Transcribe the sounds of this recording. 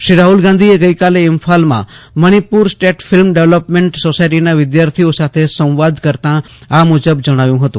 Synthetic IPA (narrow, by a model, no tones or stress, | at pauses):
ʃɾiɾaɦulɡãnd̪ʱieɡəjkaleɪmfʰalmã̰məɽ̃ipuɾsʈeʈfɪlmɖeʋləpmẽɳʈsosajʈinaʋɪd̪jaɾt̪ʰiosat̪ʰesə̃w̃ʋad̪kəɾt̪ã | amud͡ʒəbd͡ʒəɽ̃aʋjũɦət̪ṵ̃